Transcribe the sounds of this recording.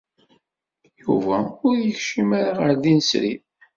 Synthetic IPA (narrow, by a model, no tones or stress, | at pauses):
juvæʊɾjəçʃimaɾaʁəɾðinəsɾḭ